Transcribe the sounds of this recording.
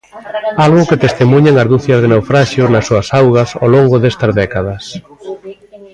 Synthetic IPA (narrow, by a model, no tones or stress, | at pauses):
alɣʊket̪est̪emuɲeŋɐzðuθjɐzð̞enewfɾaʃjʊznɐsːuɐsawɣɐso̰loŋɡʊðest̪ɐzðɛkaðɐs